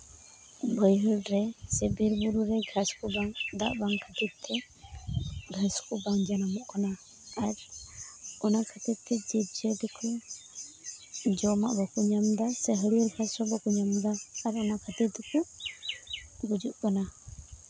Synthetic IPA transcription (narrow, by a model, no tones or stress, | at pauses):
bəjɦəlɾɛsɛbiɾbuɾuɾɛɡʱaskubaŋd̪a̰ʔbaŋkʰat̪it̪ʰːɛ | ɡʱaskubaŋd͡ʒanamɔʔkanaː | ɾ | ɔnakʰat̪it̪ɛd͡ʒit̚d͡ʒəd̪ɛkʰu | d͡ʒɔma̰ʔbɔkuɲamd̪asɛɦəɽiəɾɡʱasɾɔbɔkuɲamd̪aːɾɔnakʰat̪it̪ɛku | bud͡ʒuʔkana